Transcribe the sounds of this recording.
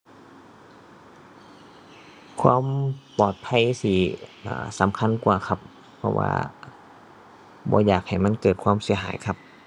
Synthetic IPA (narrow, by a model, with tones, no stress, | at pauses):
kʰwaː˧˥˨mpɔː˨˩t̪̚pʰa˧˥˨jsi˧˩ʔa̰ː˧˩sa˨˦mkʰa˧˥˨nkwaː˨˩kʰa˧pʰː | ɔ˧wa̰ː˧ | bɔ̰ː˧˦jaː˨˩k̚ha˨˩jma˧˥˨nkɤː˨˩t̪̚kʰwaː˧˥˨msi˨˩˦ɐɦaː˨˦jkʰa˧p̚